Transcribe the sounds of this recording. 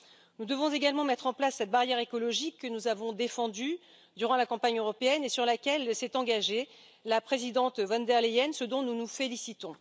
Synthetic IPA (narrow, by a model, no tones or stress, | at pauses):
nud̪əvɔ̃zeɡalmɑ̃mɛt̪χɑ̃plasːɛt̪̚baʁjɛʁekɔlɔʒikːənuzavɔ̃d̪efɑ̃d̪y | d̪yʁɑ̃lakɑ̃paɲøʁɔpeɛnesyʁlakʲɛlsɛt̪ɑ̃ɡaʒe | lapχezid̪ɑ̃t̪vɑ̃nd̪ɛʁleɛnsəd̪ɔ̃nunufelisit̪ɔ̃